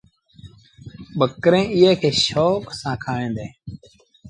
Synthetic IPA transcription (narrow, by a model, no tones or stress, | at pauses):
ɓəkɾẽːɪːẽːkʰeːʃoːksãːkʰaːẽːnd̪ẽː